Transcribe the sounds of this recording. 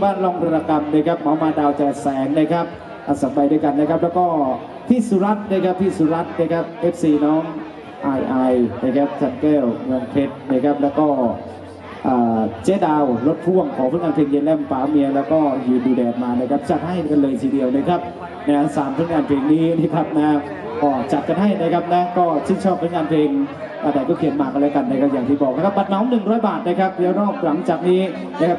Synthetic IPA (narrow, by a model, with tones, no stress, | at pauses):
baː˥˩nlɔ˧˩ŋt̪ʰa˧ɾaː˧ka˧mnaː˦˥˩jkʰa˦˥p̚maː˨˦wmaː˧daː˧wt͡ɕa˨˩sɛː˨˩˦ŋnaː˧˥˩jkʰa˦˥p̚ | ʔa˨˩sa˨˩˦mbaː˧jdu˥˩jka˧nːa˦˥kʰa˦˥p̚lɛː˦˥wkɔː˥˩ | t̪ʰiː˥˩su˨˦˥ɾa˦˥t̪̚naː˧˥˩jkʰa˦˥p̚t̪ʰiː˥˩suː˨˦ɾa˦˥t̪̚na˦˥˩jkʰa˦˥p̚ʔeː˦˥p̚siː˧˩nɔː˦˥ŋ | ʔa˧jʔa˧jna˧˥˩jkʰa˦˥p̚t͡ɕʰa˧nkɛː˥˩wŋɯ˧əŋpʰe˦˥t̪̚naː˧˥˩jkʰa˦˥p̚lɛː˦˥wkɔː˥˩ | ʔaː˨˩t͡ɕeː˦˧˥daː˧wlo˦˥t̪̚pʰu˥˩əŋkʰɔː˩˦fʰŋaː˧npʰeː˧ŋje˧nlɛ˥˩mfaː˨˦mi˧ɐlɛː˦˥wkɔː˥˩jɯː˧nduː˧dɛː˨˩t̪̚maː˧naː˦˥˩jkʰa˦˥p̚t͡ɕa˨˩t̪̚ha˥˩jka˧nlɤː˧jt̪ʰiː˧di˧əwna˦˥˩kʰa˦˥p̚ | na˦˥saː˩˦mt̪ʰːŋaː˧npʰeː˧ŋniː˦˥na˦˧˩kʰa˦˥p̚na˧˦a˦˥ | kɔː˧˩t͡ɕa˨˩t̪̚ka˧nɦa˥˩jda˧˥jkʰa˦˥p̚nɛ˦˥kɔː˥˩si˥˩ŋt͡ɕʰɔː˥˩p̚fʰŋaː˧npʰeː˧ŋ | ʔaː˧˩daː˧˩jkɔː˥˩kʰi˨˩˦ənmaː˨˩k̚ʔa˧lɛː˧˥ka˧na˧jkʰa˦˥ja˨˩t̪ʰiː˧˩bɔː˨˩k̚na˦˥kʰa˦˥pba˨t̪̚nɔː˦˥mnɯ˨˩ŋɾɔː˦˥jbaː˨˩t̪̚na˧˩kʰa˦˥p̚lɛː˦˥wɾɔː˥˩p̚la˨˦ŋt͡ɕaː˨˩k̚niː˦˥ | na˦˥kʰa˦˥p̚